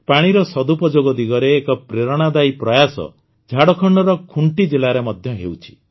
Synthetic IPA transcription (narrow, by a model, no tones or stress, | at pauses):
paɽ̃iɾɔsɔd̪upɔd͡ʒoɡɔd̪iɡɔɾeːkɔpɾeɾɔɽ̃ad̪ajpɾɔjasɔ̰ | d͡ʒʱaɽɔkʰɔɳɖɔɾɔkʰuɳʈid͡ʒelaɾemɔd̪ʱjɔɦewt͡ʃʰi̥